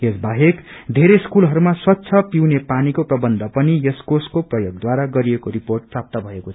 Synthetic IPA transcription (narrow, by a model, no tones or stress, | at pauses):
jesbaɦekd̪ʱeɾeskulɦʌɾumaswʌt̪ːsʰʌpiwnepanikoprʌbʌnd̪ʱʌpʌnijʌskoskoprʌjoɡd̪waɾaɡʌɾiekoɾiporʈ̚prap̚t̪abʱʌekot͡sʰ